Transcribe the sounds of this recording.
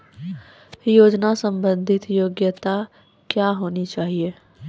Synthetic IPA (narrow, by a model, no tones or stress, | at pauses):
joːd͡ʒnasə̃mbə̃nd̪ʱɪt̪joːɡjət̪a | kjaɦoːnit͡ʃaːɦie